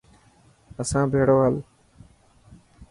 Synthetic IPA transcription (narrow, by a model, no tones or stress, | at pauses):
əsãːbʱeːɽoːɦəl